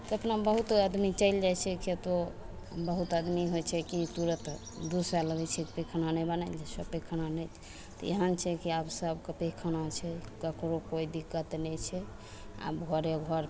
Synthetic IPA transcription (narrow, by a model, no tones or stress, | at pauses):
t̪əpnabəɦut̪əd̪mit͡ʃəɪld͡ʒajt͡ʃʰɛket̪o | bəɦut̪əd̪miɦot͡ʃʰɛkit̪uɾət̪ | d̪usaləɡɛt͡ʃʰɛkpekʰənanɛbənald͡ʒasəpekʰənanɛt͡ʃʰ | t̪ɔjḛɦənt͡ʃʰɛkiabsəbkəpekʰənat͡ʃʰɛkəkɾokoid̪ikːət̪nɛt͡ʃʰɛ | a̰bɡʱɔɾeɡʱɔɾ